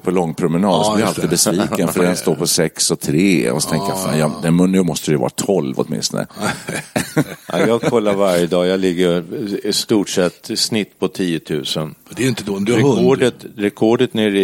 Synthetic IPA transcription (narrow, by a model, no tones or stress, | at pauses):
pʰɔlɔŋːpʰɾʊmɛnɑːd̪ɔb̪lɪɾalt̪ɪd̪bɛsviːkənfœɾɛnst̪oːɾpʰɔsɛksɔt̪ʰɾeːɔ̰sɔ̥t̪ʰɛŋkəjafa̰ːnjɑd̪ɛnmɵnːʉmɔst̪əɾɛɛvɑ̰ːɾat̪ʰɔlvɔ̰t̪mɪ̰nst̪ɔ̰nə̰ | ʔa̰jɑːɡkʰɔlːaɾvaɾjəd̪ɑːjɑlɪɡːəɾst̪uːʈʂɛt̪ːsnɪt̪ːpʰɔt̪ʰiːjət̪ʰʉ̰ːsənd̪ɛɾɪnt̪əd̪d̪ɾɖət̪ɾɛkʰɔɖət̪neːɾɪ